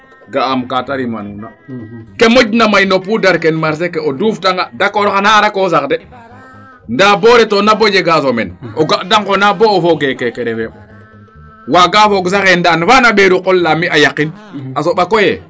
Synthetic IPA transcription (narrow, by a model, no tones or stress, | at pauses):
ɡaːmkataɾima̰nunakemoɟnamajnopudaɾkenmaɾs̬ekeoduːftaŋɡadakoɾxanaːɾakosakde | ndaboɾɛtonabod͡ʒeɡasomɛ̰noɡaʔdaŋkonaboːfoɡekekeɾɛfe | waɡafoɡs̬axendanfanaɓeɾuqolːamiʔajakinasoɓakojḛ